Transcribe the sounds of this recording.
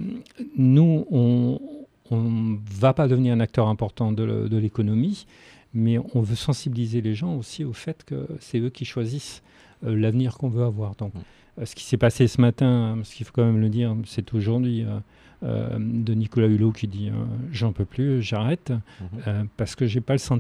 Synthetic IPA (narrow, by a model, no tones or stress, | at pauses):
nuɔ̃ | ɔ̃vapad̪əvəniʁɛ̃nak̚t̪œʁɛ̃pɔʁt̪ɑ̃d̪əd̪əlekɔnɔmi | mɛɔ̃vøsɑ̃sibilizeleʒɑ̃osiofɛt̪kə̰sɛøkʲiʃwazis | lavniʁkɔ̃vøavwaʁd̪ɔ̃k | sə̥kʲi̥sɛpasesəmat̪ɛ̃asə̥kilfo̥kɑ̃mɛmləd̪iʁsɛt̪ʰoʒuʁd̪ɥiø | ø̰d̪ənikɔlaylokʲʰid̪iø̰ʒɑ̃pøplyʒaʁɛt̪øpaʁsə̥kəʒepaləsɑ̃